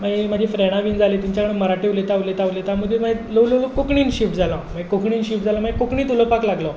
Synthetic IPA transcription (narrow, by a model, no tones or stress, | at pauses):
mamad͡ʑʱĩːfɾeɽ̃aʋiːnd͡zʱalet̪iɲt͡ɕakəɽəməɾaʈiʋlet̪aʋlet̪aʋlet̪jaməd̪ʱeməeləʋlələkokɳiːnɕifʈ̚d͡zʱalãmakokɳiːnɕifʈ̚d͡zʱalãməekokɳiːt̪uləpaklaɡlə